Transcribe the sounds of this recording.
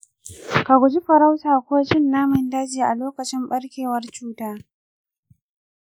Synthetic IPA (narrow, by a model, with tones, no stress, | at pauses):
ka˨ɡʷʊ˨d͡ʒi˦ɸɐ˨ɾa˦wtaː˨kʷoː˦ʃɪ˦nːaː˦mɪ˨ndaː˦d͡ʒiː˨ʔa˨loː˦kɐ˨t͡ʃɪ˦mɓɐ˦ɽkʲeː˨wɐ˦rt͡ʃuː˦taː˦